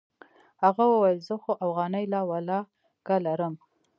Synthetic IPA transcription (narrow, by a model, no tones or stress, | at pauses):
haɣawəwajəlzəxoʔafɣɑnəjlɑwalɑ | ɡ̥alaɾəm